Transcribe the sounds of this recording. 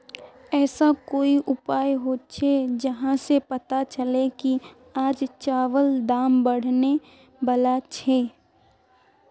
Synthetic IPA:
ɛːsakoːiʔʊpaːjɦoːt͡ʃʰed͡ʒɐɦãsepɐt̪at͡ʃəleki | aːd͡ʒt͡ʃaːʋəld̪aːmbɐɽ̤ne | bɐlat͡ʃʰeː

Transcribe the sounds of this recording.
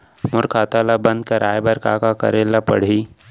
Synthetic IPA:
mʊɾkʰaːt̪aːlabə̃nd̪̚kɐɾaːjbəɾkaːkakɐ̰ɾeːlapə̰ɽ̤iː

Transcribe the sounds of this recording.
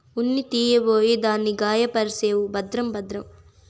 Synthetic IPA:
unːit̪iːjɐboːjid̪aːnːiɡaːjɐpɐɾiseːwubɐd̪ɾɐmbɐd̪ɾɐm

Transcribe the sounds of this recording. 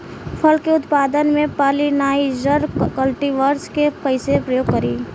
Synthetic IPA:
pʰəlkeʊt̪paːd̪ənmẽpaːlinaːid͡ʒəɾkəlʈiʋəɾskepəɪsepɾəjoːɡkəɾiː

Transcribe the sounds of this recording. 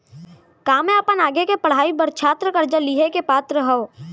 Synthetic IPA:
kaːmẽɐpənaːɡekepəɽ̤aːibəɾt͡ʃʰaːt̪ɾəkɐɾd͡ʒəliːɦekepaːt̪ɾəɦɐo

